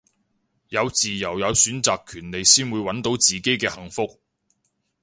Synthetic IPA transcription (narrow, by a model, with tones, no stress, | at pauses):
jɐ˨˧wt͡siː˨˩jɐ˨˩wjɐ˨˧wsyː˨˥nt͡saː˨kʰːyː˨˩nle˨˧jsiː˥nwuː˨˧jwɐ˨˥nt̪o˨˥wt͡siː˨ke˥jkɛː˧hɐ˨˩ŋfʊ˥k̚